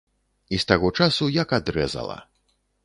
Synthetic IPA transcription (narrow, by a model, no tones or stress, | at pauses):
ist̪aɣɔt͡ʂasujɐkad̪ɾɛzɐ̰lˠɐ̰